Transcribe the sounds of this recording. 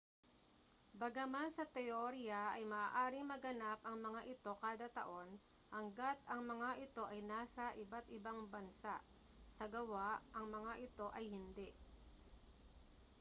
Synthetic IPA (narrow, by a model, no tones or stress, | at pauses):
bɐɡamasɐt̪ɛʔoɾɪɐʔɐjmɐːaːʔaːɾɪŋmɐɡɐnapʔɐŋmɐŋaʔɪt̪o̞kaːd̪ɐt̪ɐ̰ʔo̞n | hɐŋɡat̪̚ɐŋmɐŋaʔɪt̪o̞ʔɐjnaːsɐʔɪbat̪ɪbaŋbɐnsaʔ | sɐɡɐwaʔʔɐŋmɐŋaʔɪt̪o̞ʔɐjhɪnd̪ɛʔ